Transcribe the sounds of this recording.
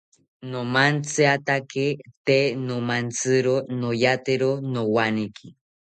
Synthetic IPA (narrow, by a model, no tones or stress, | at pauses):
nomant͡sɨat̪aket̪enomant͡sɨɾonojat̪eɾonowanikʰi